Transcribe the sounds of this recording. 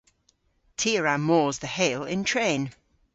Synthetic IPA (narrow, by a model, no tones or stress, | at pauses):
tʰiəɹamɔːzðəheɪlɪ̰̃ntʰɹ̥ẽɪ̃n